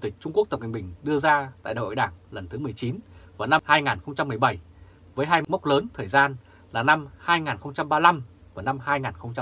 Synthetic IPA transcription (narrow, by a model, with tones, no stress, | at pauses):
t̪ï˨˩k̟̚t͡ɕʊ˧ŋ͡mku˦˥k̚t̪ə˨˩w̚kï̟˨˩ɓï˨˩ŋ̟ɗɨ˧əzaː˧t̪a̰ː˧˨jɗa̰ː˨o̰˧˨ɗaː˧˩ŋlə˨˩nt̪ʰɨ˨˦mɨ˨˩əjt͡ɕi˨˦nvaː˨˩wna˧mhaː˧jŋaː˨˩nxə˧wŋ͡mt͡ɕa˧mːɨ˨˩əjɓa˧˩j | vəː˨˦jɦaː˧jm˦˥k͡p̚ləː˨˦nt̪ʰəː˨˩jzaː˧n | laː˨˩na˧mhaː˧jŋaː˨˩nxə˧wŋ͡mt͡ɕa˧mɓaː˧la˧m | vaː˨˩na˧mhaː˧jŋaː˨˩nxə˧wŋ͡mt͡ɕa˧